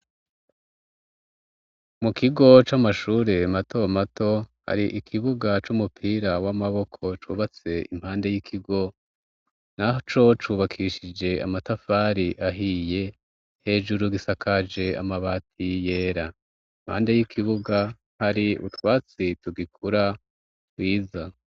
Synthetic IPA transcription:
mukiɡo̞t͡ʃamaʃuːɾe̞mato̞mato̞ha̰ɾiʔikʰiβuɡat͡ʃumupʰiɾawamaβo̞kʰo̞t͡ʃṵβat͡se̞im̥haːnde̞jikʰiɡo̞ | naɦot͡ʃo̞t͡ʃuːβakʰiʃid͡ʒe̞a̰matafaɾiʔaɦije̞ | he̞ːd͡ʒuɾuɡisakʰad͡ʒe̞a̰maβatʰije̞ːɾa | im̥ha̰ːnde̞jikʰiβuɡa | haɾiṵtwaːt͡situɡikʰuɾa | twiːza

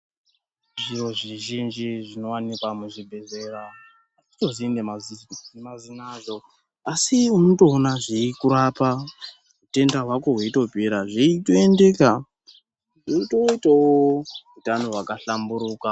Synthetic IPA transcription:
ʐiro̞ʐiʒind͡ʒiʐino̞wanikwamuʐibʱe̞ze̞ra | ati̥to̞zindemazimazinazo̞ | asiunoto̞ːnaʐiikuɾapa | ɦute̞ndaɦwako̞ɦweito̞bʱiɾaʐiitoende̞ka | ʐiotoitawoutanowakaɬambuɾuːka

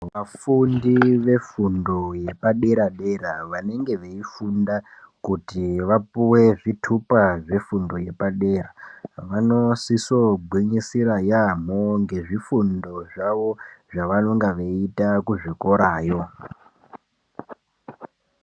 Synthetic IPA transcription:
ʋafundiʋe̞fundo̞jepaɗe̞ɾaɗe̞ɾaʋane̞ŋɡe̞ʋeifundakutiʋapuwe̞ʐitʰupaʐe̞fundo̞je̞paɗe̞ːraʋano̞siso̞ɡʱwiɲisiɾajam̤oŋɡe̞ʐifundo̞ʐaʋo̞ʐaʋano̞ŋɡaʋeitakuʐiko̞ɾaːjo̞

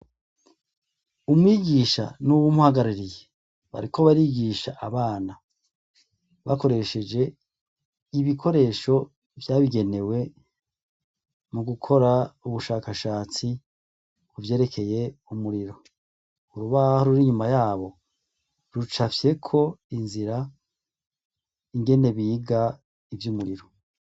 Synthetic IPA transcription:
umŋiːɡiʃa̰nuβumuhaɡaɾiɾije | βa̰ɾikʰo̞βaɾiːɡiʃaʔaβaːna | βako̞ɾe̞ʃe̞d͡ʒe̞ | iβikʰo̞ɾe̞ːʃo̞ | vjaːβiɡe̞ne̞we̞ | muɡukʰo̞ɾauβuʃaːkaʃaːt͡si | kuvje̞ːɾe̞kʰe̞je̞umuɾiɾo̞ | uɾuβahoɾuɾiɲumajaːβo̞ | ɾut͡ʃafje̞kʰo̞inziɾa | iŋɡe̞ne̞βiːɡa | ivjumuɾiɾo̞

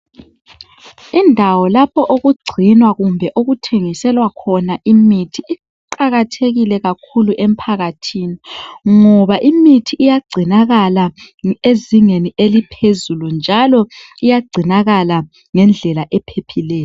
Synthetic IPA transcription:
indʱawɔlapʰɔʔoɣuɡ͡ǀʱinwaɣumbʱɛʔoɣutʰeŋisɛlwakʰɔnaʔimitʰii | ǃaɣatʰeɣilɛɣakʰuluʔem̩pʰaɣatʰiːniŋɔβaʔimitʰiːjaɡ͡ǀʱinaɣala | eziŋeniʔelipʰezulund͡ʒʱalɔ | ijaɡ͡ǀʱinaɣala | ŋɛnd͡ɮʱɛlaʔɛpʰepʰilɛːjɔ

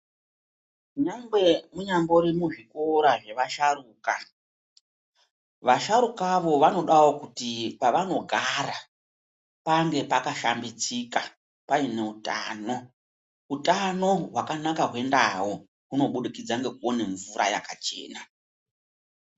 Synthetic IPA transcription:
ɲambemuɲambo̞ɾimuʐiko̞ɾaʐe̞ʋaʃaruːka | ʋaʃaɾukaʋo̞ʋano̞ɗawo̞kutipaʋano̞ɡʱara | paŋɡe̞pakaʃambit͡sika | paine̞uta̰no̞ | utano̞wakanakaɦwe̞ndaɦo | kuno̞ɓuɗikid͡zaŋɡe̞kuone̞ɱvura̰ja̰kat͡ʃe̞̰ːna

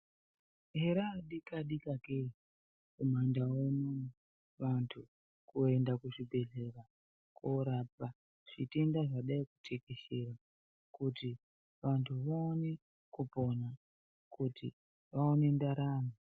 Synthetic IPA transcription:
ɦe̞ɾaːɗikaɗikakei | kumandawono | ʋantʰu | kue̞ndakuʐibʱe̞ɮe̞ra | koɾap̚a | ʐ̥itendaʐaɗaiku̥tʰekeʃe̞ɾa | kuti | ʋantʰuʋaone | kupo̞na | kutḭ | ʋaone̞ndaɾaːno

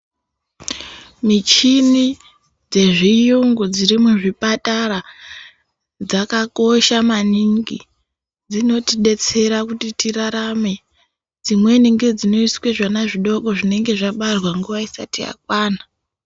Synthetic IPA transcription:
mit͡ʃini | d͡ze̞ʐijuŋɡud͡ziɾimuʐipatara | d͡zakako̞ʃamaniŋɡi | d͡zino̞tiɗe̞t͡se̞ɾakutitiraɾame̞ | d͡zimwe̞neŋɡe̞d͡zino̞iswe̞ʐanaʐiɗo̞ko̞ʐine̞ŋɡe̞ʐaɓarwaŋɡuʋaisa̰tija̰k̚waːna

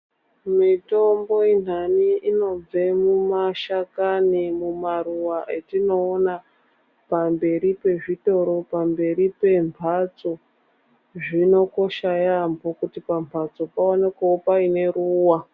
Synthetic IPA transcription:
mito̞mbo̞in̤ɦaniino̞b͡ve̞mumaʃakanimumaruwaʔetino̞ːna | pambe̞ɾipe̞ʐito̞ɾo̞pambe̞ɾipe̞mpʰat͡so̞ | ʐino̞ko̞ʃajambokutipampʰat͡so̞paone̞kaopaine̞ɾuːwa

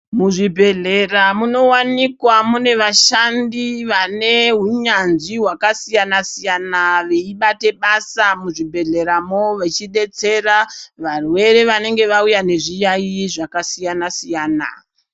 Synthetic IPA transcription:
muʐibʱe̞ɮe̞ramuno̞wanikwamune̞ʋaʃandiʋane̞ɦuɲanʐiɦwakasijanasijanaʋeiɓate̞ɓasamuʐibʱe̞ɮe̞ɾamoʋet͡ʃiɗe̞t͡se̞raʋarwe̞ɾe̞ʋane̞ŋɡe̞ʋaujane̞ʐijaiʐakasijanasijaːna̰

